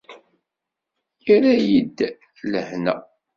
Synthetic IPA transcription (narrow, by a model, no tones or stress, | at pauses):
jiɾæjid̪ː | ləhnæ̰